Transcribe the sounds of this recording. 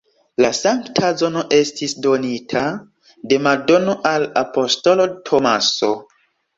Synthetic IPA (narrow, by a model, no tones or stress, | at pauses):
lasaŋktʰazo̞no̞ʔe̞stisdo̞nitʰa | de̞mado̞no̞ʔalapo̞sto̞lo̞tʰomaso̞